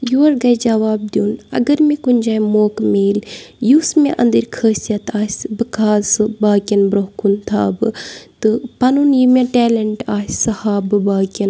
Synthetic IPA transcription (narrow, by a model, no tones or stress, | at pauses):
juːɐɾɡɐjd͡ʒɐʋaːb̚d̪juːnɐ̰ɡɐɾmẽkunʲd͡ʒaːjmoːkmeːljuːsmẽʔɐ̰̃nd̪əɾʲkʰəːsijɐt̪aːsʲbɨkaːsɨbaːkʲɐnbɾoɦkunt̪ʰa̰ːbɨt̪ɨpɐnunjimẽʈɛːleɳʈaːssɐhaːbɨbaːkʲɐn